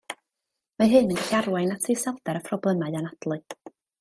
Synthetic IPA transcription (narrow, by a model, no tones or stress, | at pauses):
maɦɨnənɬarwajnatʰɨsɛlˠdɛɾəpʰrɔblˠəmaɨanad̥lˠɨɨ